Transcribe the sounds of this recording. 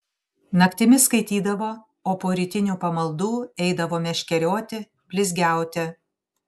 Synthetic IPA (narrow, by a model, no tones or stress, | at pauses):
nɐkt̪ʲɪmʲɪskɐɪt̪ʲiːd̪ɐʋoː | oːpoːɾʲɪt̪ʲɪnʲuːpɐmɐlˠd̪uːɛɪd̪ɐʋoːmʲɛʃʲkʲɛɾʲoːt̪ʲɪ | bʲlʲɪzʲɡʲæˑʊt̪ʲɛ